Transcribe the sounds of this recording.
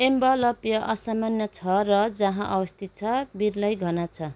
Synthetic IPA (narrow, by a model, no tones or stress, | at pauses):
embʌlʌpjʌʔʌsamanjʌt͡sʰʌrʌd͡zʌ̃ɦãʔʌbʌst̪ʰit̪̚t͡sʰʌbiɾlʌjɡʱʌnat͡sʰʌ